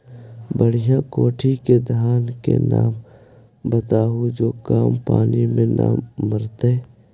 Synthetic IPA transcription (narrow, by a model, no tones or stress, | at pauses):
bəɽ̤ijãkoːʈʰiked̪ʱaːnkḛna̰ːm | bət̪aːɦud͡ʒoːkaːmpaːnimẽna̰ːmːəɾt̪eː